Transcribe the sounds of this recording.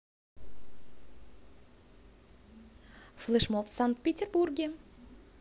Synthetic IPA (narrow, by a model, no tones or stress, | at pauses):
flˠɨʃmolˠt̪saŋk̚t̪̚pʲet̪ʲerburɡʲe